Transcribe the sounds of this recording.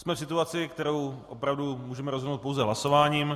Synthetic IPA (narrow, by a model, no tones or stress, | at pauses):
smɛfsɪt̪uat͡sɪkt̪ɛɾo̞wʔopɾavdumuːʒɛmɛɾozɦodnowt̪po̞wzɛɦlaso̞vaːɲiːm